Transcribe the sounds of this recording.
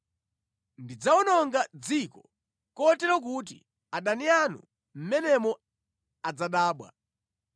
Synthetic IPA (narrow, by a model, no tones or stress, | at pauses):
ndid͡zaunɔŋɡad͡zikɔ | kɔtɛɾɔk̬ut̬ḭ | aɗanianṵ | m̩mɛnɛmɔ | ad͡zaɗaːɓwa̰